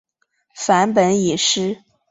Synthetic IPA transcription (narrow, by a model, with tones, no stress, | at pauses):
fa˧˥npə˧˥ni˨˩ʂɻ̩˥